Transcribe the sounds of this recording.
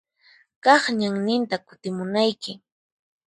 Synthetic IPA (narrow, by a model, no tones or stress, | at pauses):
kɑχɲaŋnɪnt̪akʊ̥t̪ɪmʊnajkɪ